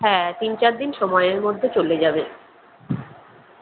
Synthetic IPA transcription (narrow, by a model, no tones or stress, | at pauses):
ɦɛːt̪int͡ɕaɾd̪inʃɔmɔeeɾmod̪ʱːet͡ɕoled͡ʑabe